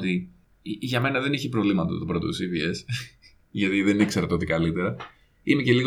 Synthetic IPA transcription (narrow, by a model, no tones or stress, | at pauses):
t̪i | ʝɐme̞nɐðe̞niçipɾo̞vlimɐt̪ɐt̪upɾo̞t̪o̰sivie̞s | ʝɐt̪iðenikse̞ɾt̪eo̞t̪ikɐlit̪e̞ɾɐ | imeceliɣ